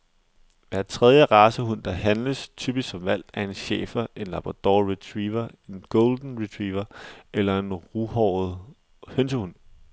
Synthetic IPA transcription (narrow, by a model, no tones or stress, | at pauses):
ʋæɐ̰̥t͡sʰʁɛð̞ˠjəʁɑ̈ːsəɦun̰d̥ɑ̈ɦænləst͡sʰyːb̥issɒ̽mʋæl̰̥æɐe̝nɕḛːfɐʔe̝nlɑ̈b̥ʁɑd̥ɒːʁit͡sʰʁiːʋɐe̝nɡ̥ɔld̥n̩ʁit͡sʰʁiːʋɐelɐe̝nʁuhɒð̩ˠ | hensəhun̰